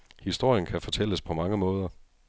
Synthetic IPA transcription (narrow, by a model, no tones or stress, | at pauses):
hisd̥o̝ɐ̰jənkʰæfɒ̽t͡sʰel̰əspʰɒ̽mɑ̈ŋəmɔ̽ːð̞ˠɐ